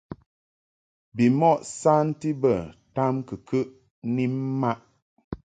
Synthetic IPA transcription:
bi˨mɔ˦˨ʔsa˦n̩˦ti˦bə˨ta˦mkɨ˨kə˦ʔ | ni˦m˦ma˦ʔ

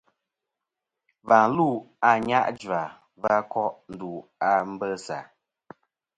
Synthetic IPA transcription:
va˨lu˦˨a˨ɲa̰˦ʔd͡ʒwa˨ | va˦kɔ˦ʔn̩˨du˨a˦˨m̩˦bə˦sa̰˨

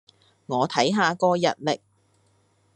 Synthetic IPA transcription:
ŋɔː˨˧t̪ʰɐ˨˥jɦaː˨˧kɔː˧jɐ̰˨t̚lɪ˨k̚

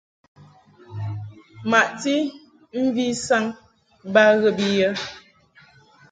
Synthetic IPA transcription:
ma˨ʔti˦ | m̩˦vi˦sa˦ŋ | ba˦ɣə˨bi˦jə˦

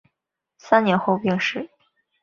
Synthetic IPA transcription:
sa˥nnjɛ˧˥nxo˥˧ʊpi˥˧ŋʂɻ̩˥˩

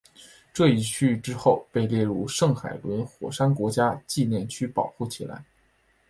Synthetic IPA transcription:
ʈ͡ʂɤ˥˧i˧˩t͡ɕʰy˥˩ʈ͡ʂɻ̩˥xo˥˩ʊpe˥˧ɪljɛ˥˩ɻu˥˧ʂɤ˥˩ŋxa̰˨˩ɪlwə˧˥nxwɔ̰˨˩ʂa˥nkwɔ˧˥t͡ɕja˥t͡ɕi˥˧njɛ˥˩nt͡ɕʰy˥pɑ˨˩ʊxu˥˩t͡ɕʰi˨˩la̰˧˥ɪ

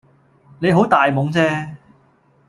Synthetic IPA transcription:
ne˨˧jɦo˨˥wt̪aː˨jmʊ˨˥ŋt͡sɛː˥

